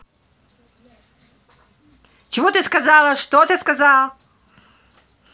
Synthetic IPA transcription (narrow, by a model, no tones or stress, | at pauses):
t͡ɕɪvot̪ɨskɐzalˠəʂt̪ot̪ɨskɐzalˠ